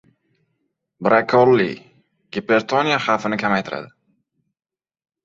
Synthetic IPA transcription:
bɾakʰolːi | ɡ̥ʲepeɾt̪ʰonijaχafɪnɪkʲʰamajt̪ʰɪɾa̰d̪ɪ

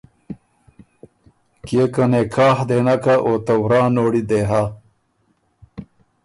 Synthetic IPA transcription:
kjekɐnekʰaːhd̪eːnɐkaʔot̪ɐwɾaːnoːɽid̪eːɦa

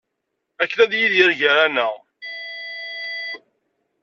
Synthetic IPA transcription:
ækːnæðjiðjəɾʝəɾænə

